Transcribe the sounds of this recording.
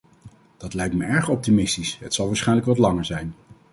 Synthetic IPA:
d̥ɑtlɛjk̚tməɛɹχɔp̚timɪstisɦətsɑlˠʋaːɹsχɛjnləkʋɑtlɑŋəɹzɛjn

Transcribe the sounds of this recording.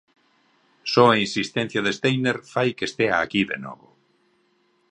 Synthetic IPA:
sɔeinsist̪ẽn̟θjaðest̪ejneɾfajkest̪eaːkiðḛnɔ̰βo

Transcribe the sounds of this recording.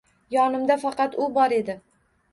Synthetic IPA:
jɒnɪmd̪afɑqɑt̪ʊbɒɾe̞d̪ɪ

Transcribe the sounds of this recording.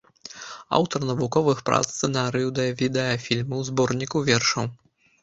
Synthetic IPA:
a̰wt̪ɐrnɐvukɔvɨxpɾa̰t̪st̪ɛnaɾɨjud̪ɛjɐvʲid̪ɛɐfʲilʲmɨwzbɔrnʲikuvʲɛrʂɐw

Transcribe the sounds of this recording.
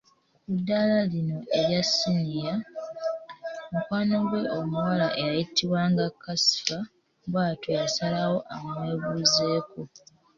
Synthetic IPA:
kudːalalino̞ʔeɾjasinija | mukwaːno̞ɡwe̞ʔomuwalaʔejajitiβwaŋɡakːasi̥fa | βwaːtojasalawo̞ʔamwe̞ːβuːze̞ːko

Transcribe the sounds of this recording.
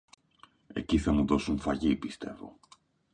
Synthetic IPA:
e̞̰ciθɐmuðo̞suɱfɐʝipist̪e̞vo̞̰

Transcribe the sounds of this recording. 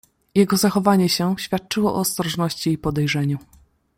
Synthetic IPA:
jɛɡɔzaxɔvaɲɛɕɛɕfʲjat̪̚t͡ʂɘwɔʔɔːst̪ɾɔʐnɔɕt͡ɕiːpɔd̪ɛjʐɛɲu

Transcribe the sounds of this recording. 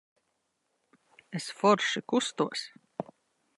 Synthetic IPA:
esfɔɾʃikust̪uɔs

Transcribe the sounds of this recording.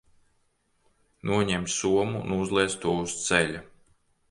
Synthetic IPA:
nuɔɲɛmt̪ssuɔmunuzlˠiɛst̪uɔust̪sɛʎʲa

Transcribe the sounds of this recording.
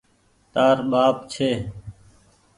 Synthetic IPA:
t̪aːɾɓaːpt͡ʃʰeː

